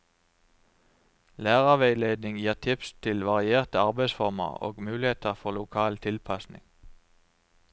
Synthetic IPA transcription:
læːʁɑʋeɪleːd̪nɪŋjiːʁt̪ʰɪpst̪ʰɪlʋɑʁɪeːʁt̪əɑʁbeɪsfɔʁmə̰ʁo̰ːɡmʉːlɪheːt̪əʁfɔʁlʊkʰɑːlt̪ʰɪlpʰɑsnɪ̰ŋ

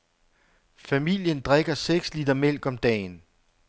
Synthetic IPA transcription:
fæmil̰jənd̥ʁeɡ̥ɐseɡ̥slid̥ʁɐmel̰ɡ̥ɒ̽md̥ɛ̰ːn

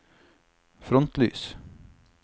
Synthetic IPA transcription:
fɾɔnt̪ly̰ːs

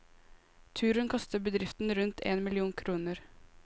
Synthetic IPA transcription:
t̪ʰʉːɾənkʰɑst̪əbəd̪ɾɪft̪n̩ɾʉnt̪ʰḛːnmɪlɪuːŋkʰɾuːnəɾ

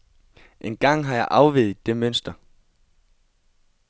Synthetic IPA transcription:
ʔenɡ̥ɑ̈ŋ̰ɦɑ̈jɑ̈ɪʔɑ̈ʊʋiðˠd̥e̝møn̰sd̥ɐ

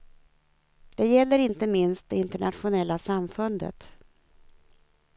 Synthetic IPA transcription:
d̪̥ɛjɛlːəɾɪnt̪əmɪnst̪̚d̪ɛɪnt̪əɳat̪ɧʊnɛlːasamfɵnd̪ə̰t̪

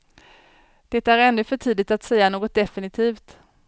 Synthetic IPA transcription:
d̪̥ɛt̪æɾɛnːɵfœʈʰiːd̪ɪɡ̚t̪at̪sɛjːanoːɡɔt̪̚d̪ɛfɪnɪt̪ʰiːft̪

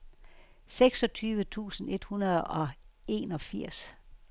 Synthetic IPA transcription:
seɡ̥sɒ̽t͡sʰyːʋət͡sʰṵːsn̩e̝d̥hunɐðˠɒ̽e̝̰ːnɒ̽fiɐ̰s

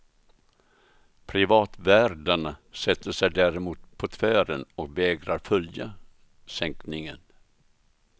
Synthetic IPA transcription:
pʰɾɪvɑːt̪væːɾɖaɳasɛt̪ːəʂɛjd̪æːɾɪmuːt̪pʰɔt̪ʰvæːɾənɔk̚vɛːɡɾaɾfœlja | sɛŋknɪŋən

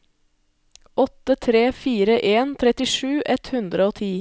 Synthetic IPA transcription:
ɔt̪ət̪ʰɾeːfiːɾəʔeːnt̪ʰɾɛt̪ɪʂʉːʔɛt̪hʉnd̪ɾəoːt̪ʰiː

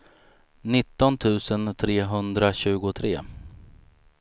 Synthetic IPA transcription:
nɪt̪ːɔnt̪ʰʉ̟ːsənt̪ʰɾeːɦɵnd̪ɾaɕʉ̟ːɡʊt̪ʰɾḛː

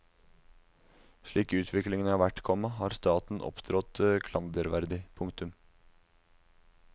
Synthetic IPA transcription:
ʂɭiːkʉːt̪ʰʋɪklɪŋənəɑːʋæʈkʰɔmɑɦɑːɾst̪ɑːt̪n̩ʔɔ̰pd̪ɾɔt̪kʰlɑnd̪əɾʋæɾd̪ɪpʰʊŋt̪ʉm

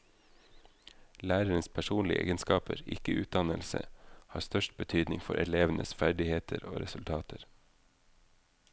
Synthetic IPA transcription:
læːɾəɾənspʰæʃuːnlɪʔḛːɡənskɑːpəɾɪkəʔʉːt̪̚d̪ɑnəlsə̰hɑːst̪œʃt̚bət̪ʰyːd̪nɪŋfɔɾʔɛɭeːʋnʔəsfæɖɪheːt̪ʰəɾo̰ːɾɛsʉlt̪ʰɑːt̪ʰəɾ

